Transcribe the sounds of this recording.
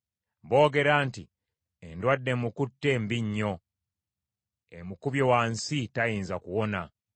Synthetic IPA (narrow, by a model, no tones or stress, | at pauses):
bo̞ːɡe̞ɾaːnti | endwadːe̞mukutːe̞mbiɲːo̞ | ḛmukuβjowansitajiːnzakuwo̞na